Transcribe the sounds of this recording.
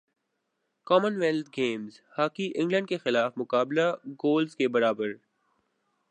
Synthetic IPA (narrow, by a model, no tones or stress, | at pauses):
kɔːmənʋelt̪̚ʰɡeːmzhaːkiʔɪ̃ŋɡlə̃ɳɖkexɪlaːfmʊkaːblaɡoːlzkebɐɾaːbəɾ